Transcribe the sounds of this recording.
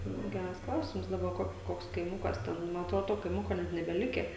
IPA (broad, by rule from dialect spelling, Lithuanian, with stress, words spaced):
nʊ ˈɡʲærɐs ˈklˠɐʊsʲɪms dɐˈbɐ ˈkoːk ˈkoːks kɐɪˈmʊkɐs ˈtʲɛn mɐn ɐtˈroːdoː ˈtoː kɐɪˈmʊkoː ˈnʲɛt nʲɛbʲɛˈlʲɪkʲæː